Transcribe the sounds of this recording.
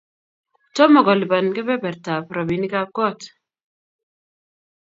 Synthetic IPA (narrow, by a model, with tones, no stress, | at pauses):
tɔ˦mɔ˨ɡɔ˨li˨ba˨nkɛ˦bɛ˦bɛ˨ɾta˨pɾa˨bi˨ni˦ka˦p̚ɡɔ˦t